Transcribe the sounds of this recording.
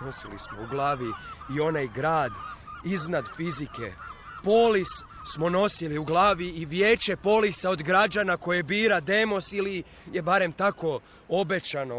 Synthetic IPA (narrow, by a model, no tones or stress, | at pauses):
no̞silismouɡlˠaːʋiːo̞najɡɾaːd̪iznad̪fizikḛpoːlis | smo̞no̞siliuɡlˠaːʋiːʋjeːt͡ʃe̞po̞ːlisao̞d̪ɡɾad͡ʒanako̞jebiːɾad̪e̞mo̞sili | jebaɾe̞mt̪ako̞ | o̞be̞t͡ʃano